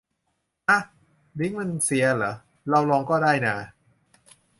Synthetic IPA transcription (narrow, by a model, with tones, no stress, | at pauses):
ʔa˧˩ | ɾi˦˥ŋma˧nsi˨˩˦ɐlɤː˩˦ | ɾa˧wlɔː˧ŋkɔː˥˩daː˥˩jnaː˧